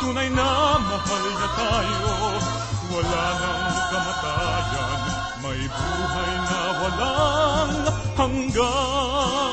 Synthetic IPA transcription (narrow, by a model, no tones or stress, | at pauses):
kʊnɐjnɐmɐpɐlɲɐt̪ajo | wɐlanɐŋkɐmɐt̪ajɐ | n | mɐjbuːɦɐjnɐwɐlaŋɐhɐŋɡa